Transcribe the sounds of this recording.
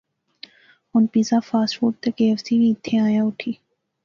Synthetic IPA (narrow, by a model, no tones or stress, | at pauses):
ʊnpiːzaːfaːsfoːʈ̚t̪ekeːəfsibĩːɪt̪ʰːẽaːjaʊʈʰiː